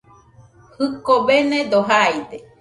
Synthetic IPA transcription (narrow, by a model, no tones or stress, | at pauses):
hɨkobenẽd̪oɦajd̪e